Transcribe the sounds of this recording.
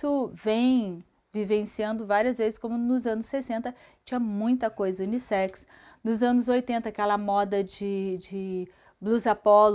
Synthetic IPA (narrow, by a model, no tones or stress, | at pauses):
sʊvẽj̃ | vivẽsiɐ̃nd̪ʊvaɾiɐzvezɪskõmʊnʊzɐ̃nʊsːesẽnt̪ɐ | t͡ʃĩɲɐmũj̃t̪ɐkojzɐũnisɛks | nʊzɐ̃nʊzojt̪ẽnt̪ɐakɛlɐmɔd̪ɐd͡ʒɪd͡ʒɪ | bluzapɔl